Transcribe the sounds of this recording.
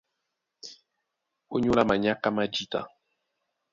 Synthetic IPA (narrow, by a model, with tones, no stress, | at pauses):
o˦ɲo˦la˦ma˨ɲa˦ka˦ma˦d͡ʒi˦ta̰˨